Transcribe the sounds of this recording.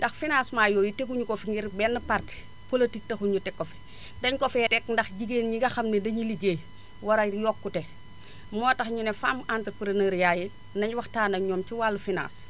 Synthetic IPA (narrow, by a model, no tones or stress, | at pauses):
ndɐxfinasmaːjoːjitekuɲukɔfiŋɡiɾbɛnːɐpart | politik̚tɐxuɲutɛkːɔfɛ̥ | dɐɲkɔfɛɾɛkndɐxɟiɡeːnɲiɡɐxɐmnidɐɲiliɡeː | wɐɾaɾjɔːkːutɛ | mɔːtɐxɲunɛfaːmantɾpɾinəːɾjaːji | nɐɲwɐxtaːnɐɲɔːmt͡ʃiwaːlːufina̰ːs